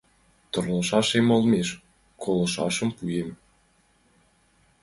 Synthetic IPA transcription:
t̪orləʃɑʃemə̆lmeʃ | kʰolə̆ʃɑ̰ʃə̆mpujem

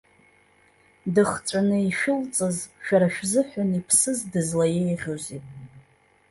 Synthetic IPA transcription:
dɨχt͡ʃʷʼanɨiʃᶣʊlt͡sʼɨzʃᶣaɾaʃᶣzɨħʷᶣanipʰsɨzdɨzlajejʁʲozitʼ

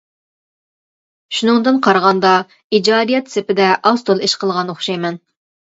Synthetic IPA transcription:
ʃunɨŋd̪ɨnqʰɑɾʁɑnd̪ɑ | id͡ʒɑːd̪ijɛt̪sɪpɪd̪ɛʔɑst̪ʰolˠiʃqʰəlˠʁɑnoχʃɑjmɛn

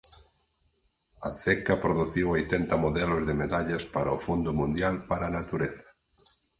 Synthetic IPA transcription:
ɐθɛkɐpɾoðuθiwojt̪ɛnt̪ɐmoðɛlʊzðemeðaʎaspaɾaofund̪ʊmũnd̪jalpaɾaːnat̪uɾeθɐ̥

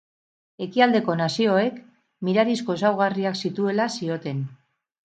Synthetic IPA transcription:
e̞kiald̪e̞ko̞nasio̞e̞k | miɾaɾisko̞s̬awɣ̞ariaksit̪ue̞lasio̞t̪e̞n

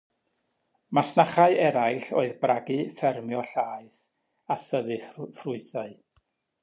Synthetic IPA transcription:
masnaχaɨʔɛɾajɬoːɨðbraɡɨfɛrmjɔɬaːɨs | aθəðɨfrʊɨθaɨ

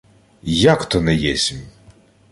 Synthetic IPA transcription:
jakt̪ɔnɛjɛsʲimʲ

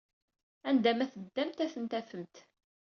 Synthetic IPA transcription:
ænd̪æmæθəd̪ːæmt̪æθənt̪æfəmt̪

